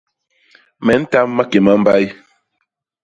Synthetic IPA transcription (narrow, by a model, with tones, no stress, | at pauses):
mɛ˨˦n̩˦ta˦mːa˦ke˨ma˦m̩˦ba˦j